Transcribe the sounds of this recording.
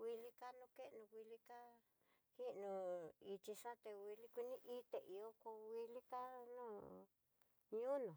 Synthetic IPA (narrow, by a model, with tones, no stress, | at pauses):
wi˧li˧ka˦nũ˧ke˦ʔnũ˧wʷi˧li˧ka˦ | ki˦nũ˧i˧t͡ʃi˧ʂã˦t̪e˧wi˧li˦kʷi˧nĩ˦ʔi˦t̪e˨ʔi˨o˦ku˧wi˧li˦ka˦nũː˦˨ | ɲũ˦nõ˨